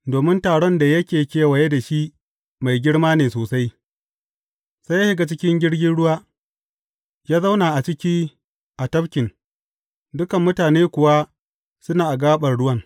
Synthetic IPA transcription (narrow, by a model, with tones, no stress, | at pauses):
doː˨mɪ˦ntaː˨ɽɔ˦nda˨jɐ˦kʲeː˨kʲeː˦wɐ˨je˦da˨ʃi˦ | ma˨jɡʲɪ˦ɽmaː˦neː˨soː˨sa˦j | sa˦ja˦ʃɪ˦ɡa˨t͡ʃɪ˦kʲɪ˦ŋɡʲɪ˦ɽɡʲɪ˦nɽʊ˦waː˦ | jaː˦za˦wna˨ʔa˨t͡ʃɪ˦kʲiː˦ | ʔa˨tɐ˦bkʲɪ˨n | dʊ˦kɐ˨mːʊ˦taː˨neː˦kʷʊ˨wa˦ | sʊ˦naː˨ʔa˨ɡaː˦ɓɐ˨rɽʊ˦wɐ˦ŋ